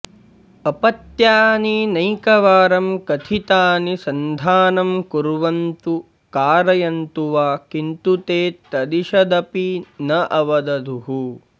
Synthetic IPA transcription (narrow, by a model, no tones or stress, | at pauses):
ɐpɐt̪jaːninɐjkɐʋaːɾɐmkɐt̪ʰit̪aːnisɐnd̪ʱaːnɐmkuɾʋɐnt̪u | kaːɾɐjɐnt̪uʋaːkint̪ut̪eːt̪ɐd̪iʃɐd̪ɐpinɐʔɐʋɐd̪ɐd̪ʱuɦu